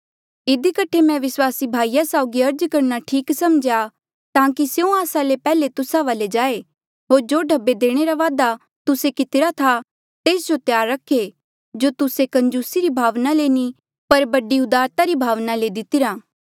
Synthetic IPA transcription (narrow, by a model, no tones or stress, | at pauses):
ɪd̪ikəʈʰemɛ̃ʋɪswaːsibʱaːijasaːʊɡiɐɾd͡ʒkɐɾnaʈʰiːksɐmd͡ʒja | t̪ãːkisjũaːsalepɛːlet̪ʊsaʋaːled͡ʒaːe | ɦoːɾd͡ʒoːɖʱɐbːed̪eːɽ̃eɾaʋaːd̪a | t̪ʊsekɪt̪ɪɾat̪ʰa | t̪eːsd͡ʒot̪jaːɾːɐkʰe | d͡ʒot̪ʊsekɐ̃ɲd͡ʒuːsiɾibʱaːʋnaleːni | pɐɾbɐɖiʊd̪aːɾt̪aɾibʱaːʋnaled̪ɪt̪ɪɾaː